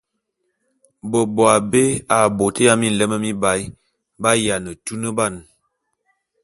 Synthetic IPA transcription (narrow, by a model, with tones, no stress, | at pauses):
bə˨bɔ˨a˨be˦a˨bo˨tə˦ja˦mi˦n̩˨lə˦mə˦mi˦ba˨˦j | ba˦ja˨nə˨tu˦nə˦ba˦˨n